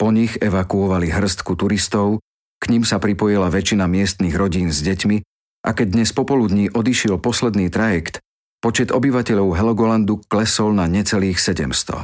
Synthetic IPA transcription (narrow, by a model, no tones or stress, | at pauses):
pɔɲixɛʋakuɔʋaliɦr̩st̪kut̪uɾist̪ɔʊ | kɲimsapɾipɔjilaʋɛt͡ʃinamɪɛst̪niɣɾɔɟiːnzɟɛcmi | ʔa̰kɛɟ̚d̪ɲɛspɔpɔlud̪ɲiːʔɔd̪iʃɪɛlpɔslɛd̪niːt̪ɾajɛkt̪ | pɔt͡ʃɛd̪ɔbiʋacɛʎɔʊɦɛlɔɡɔland̪uklɛsɔlnaɲɛt͡sɛliːxsɛɟɛ̰mst̪ɔ̰